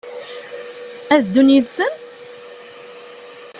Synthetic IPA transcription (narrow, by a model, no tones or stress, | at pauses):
æðd̪ːunjiðsən